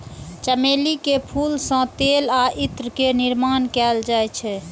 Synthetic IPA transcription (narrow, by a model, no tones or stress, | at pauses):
t͡ʃəmelikepʰulsə̃t̪elaʔit̪ɾəkeniɾmankɛld͡ʒajt͡ʃʰɛ